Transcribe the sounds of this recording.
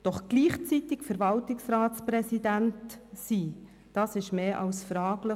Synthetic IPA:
d̥ɔχɡ̥liːχt͡sit̪ɪkfəɾvɑltɪksrɑːtspɾɛsidæntsi | d̥ɑːsɪʃmeːʔɑ̰wsfɾɑːɡlə

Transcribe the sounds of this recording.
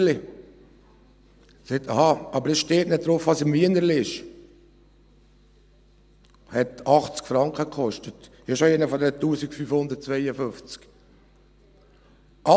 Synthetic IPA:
li | sɛtɑhɑɑbəɾɛsʃteːtnɪt̚d̥̪ɾofʋɑsəmmiənəɾliɪʃ | hɛtɑχt͡skfɾɑŋkχəkχɔʃtət | ɑʃoɛnəfɔd̪ɛɾətuːsikfyfhʊnd̪əɾt̚t͡sʋɛɪəfʏft͡sk | ʔɑ

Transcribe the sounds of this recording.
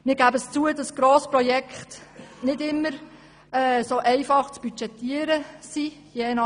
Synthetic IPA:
mɪːɾɡæbəst͡suədɑsɡ̥ɾoːspɾɔjɛkχtnɪdɪmːəɾ | ɛːsoʔɛɪfɑχt͡sb̥yt͡ʃɛtːiəɾəsi | jeːnɑ

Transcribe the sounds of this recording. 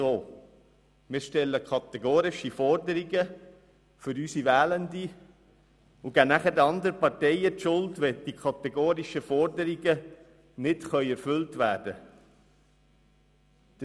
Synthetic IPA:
oː | mɪːɾʃtɛlːəkʰɑt̪ɛɡoːɾɪʃifɔrdəɾɪɡə | fʏɾysiʋæːləndi | ʊɡ̥ænæχədɑnd̪əɾəpɑɾtɛɪətʃʊltʋɛd̥ikʰɑt̪ɛɡoːɾiʃəfɔɾdəɾiɡə | nɪtχœʏɛɾfɵltʋæːrd̥ə | d̪̥ə

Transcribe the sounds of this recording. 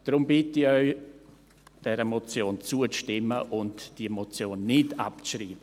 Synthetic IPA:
d̥ɾʊmbɪtɪœʏ | d̥ɛɾəmɔt͡sjoːnt͡suət͡sʃtɪmːəʔʊntd̥imɔt͡sjoːnːɪda̰pt͡sʃriːbə

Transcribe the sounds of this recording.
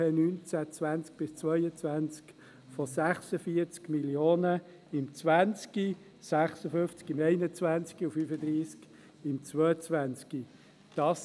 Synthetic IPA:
ɛnyːnt͡sæt͡svænt͡sk̚b̥ɪst͡svœjət͡sʋænt͡sk | fɔsæχsəfiəɾt͡skmiljoːnə | ɪmt͡sʋænt͡ski | sæχsəfʏft͡skɪmɛɪnət͡svænt͡skiufyːfəd̪ɾiːsk | ɪmt͡svœət͡sʋænt͡ski | d̥ɑːs

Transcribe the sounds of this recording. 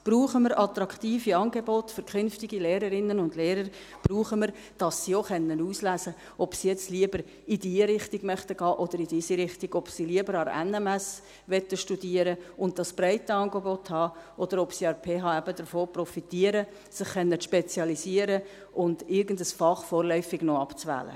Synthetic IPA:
b̥ruːχəməɾʔɑt̪ɾɑkχt̪iːfiɑːnɡebotfʏɾkʰχʏnftiɡ̥ileːɾəɾɪnənʊndleːɾəɾ | b̥ruːχəməɾ | d̥ɑsːioχɛnːənuːslæːsə | ʔɔpsijɛt͡stliəbəɾ | idiːɾɪχtiɡmœχt̪əɡ̥ɑːʔɔd̥̪əɾidiːsiɾɪχtiɡ̥ɔpsiliəbəɾɑɾɛ̰nɛmɛs | ʋɛtːəʃtud̥iəɾəʊnt̚d̥ɑsb̥ɾaɪtəɑːnɡebɔthɑːʔɔd̥əɾɔpsiɑɾpʰeːɦɑːæbədəɾfoːprɔfitiəɾə | sɪχːɛnːəʃpɛt͡sjɑlisiəɾə | ʔʊndɪɾɡən̩dəsfɑχfɔːɾlœʏfɪɡ̥nɔɑpt͡svæ̰ːlə̰

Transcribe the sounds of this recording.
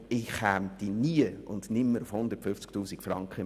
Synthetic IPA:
ɪχhæːmt̪iniəʊ̰ndnɪmːəɾʊfhʊnd̪əɾtfʏft͡sk̚tuːsikfrɑŋkχə

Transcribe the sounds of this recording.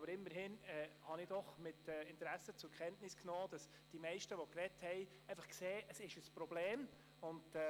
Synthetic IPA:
bəɾɪmːəɾɦɪnɛhɑnɪd̥ɔχmɪtɛːɪntɾæsət͡sʊɾkχɛntnɪsknɔːd̥ɑs | d̥imɛɪʃtəʋɔkɾɛthɛɪ | ɛɪfɑχkseːʔəsɪʃəspɾɔbleːm | ʊndɛ

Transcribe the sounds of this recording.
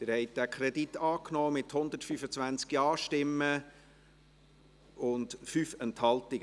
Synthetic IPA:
t̪ɪɾhɛɪt̚d̥ækʰɾɛditːɑːknɔːmɪthʊnd̪ətfyfət͡svʋænt͡skjɑːʃtɪmːə | ʊndfyːfɛnthɑltɪɡ̥ə

